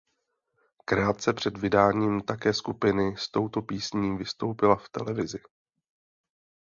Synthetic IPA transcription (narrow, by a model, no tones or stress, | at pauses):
kɾaːt̪̚t͡sɛpr̝̥ɛd̪vɪdaːɲiːmt̪akɛːskupɪnɪst̪o̞wt̪o̞piːsɲiːvɪst̪o̞wpɪlaft̪ɛ̰lɛvɪzɪ